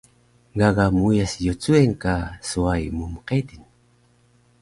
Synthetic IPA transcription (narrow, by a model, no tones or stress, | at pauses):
ɡaɡamujasjot͡sueŋkasuajmumqedin